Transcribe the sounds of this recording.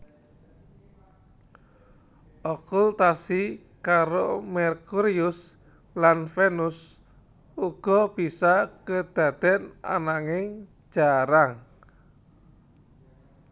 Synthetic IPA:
ʔɔkult̪asi | kaɾomɛrkuɾiʊs | lanfenus | uɡ̥ɔ̤b̥i̤sakəd̪̥a̤d̪̥ɛ̤na̰naŋɪŋ̥ | d͡ʒ̥aɾaŋ

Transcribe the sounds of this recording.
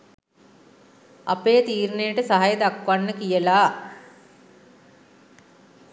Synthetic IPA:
a̰peːt̪iːɾnejəʈəsaɦajed̪akʋanːəkijəlaː

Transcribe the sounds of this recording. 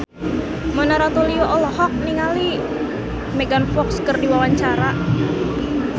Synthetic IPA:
mənaɾat̪olioʔɔlɔhɔk̚niŋali | meɡanfɔkskərdiwawaɲt͡ʃaɾa

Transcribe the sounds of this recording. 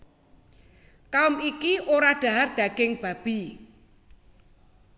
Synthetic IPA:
kaʊmikiʔoɾaɖ̥a̤ɦard̪̥a̤ɡ̥ɪŋb̥a̤b̥i̤

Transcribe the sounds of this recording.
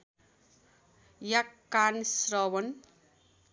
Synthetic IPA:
jakːansrʌwʌn

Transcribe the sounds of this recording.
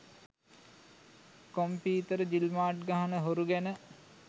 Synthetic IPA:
kompiːt̪əɾəd͡ʒilmaːʈ̚ɡaɦanəɦoɾuɡænə

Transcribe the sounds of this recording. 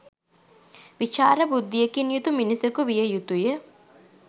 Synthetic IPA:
ʋit͡ʃaːɾəbud̪ːijekinjut̪uminisəkuʋijəjut̪ujə

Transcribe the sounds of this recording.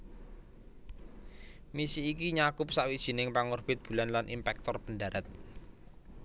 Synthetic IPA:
misiːkiɲakʊp̚saʔwid̥ʒ̥i̤nɪŋpaŋʊrb̥ɪt̪̚b̥ṳlanlanʔimpɛk̚t̪ɔrpəndaɾat̪̚

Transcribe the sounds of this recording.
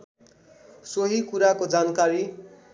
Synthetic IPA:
soɦikuɾakod͡zankaɾi

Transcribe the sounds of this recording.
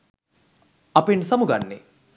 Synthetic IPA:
ɐpensɐmuɡanːḛ

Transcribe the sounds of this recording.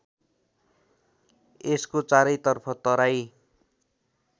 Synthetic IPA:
eskot͡saɾʌjt̪ʌrpʰʌt̪ʌɾaj

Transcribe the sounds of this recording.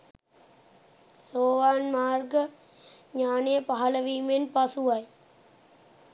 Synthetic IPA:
soːʋaːnmaːrɡə | ɲaːnejəpaɦɐləʋiːmenpasuʋaj

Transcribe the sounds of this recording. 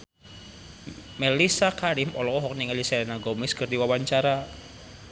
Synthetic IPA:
mɛlisakaɾimɔlɔɔɦɔk̚niŋɛlisaɛnaɡɔmɪskɨrdiwawaɲt͡ʃaɾa

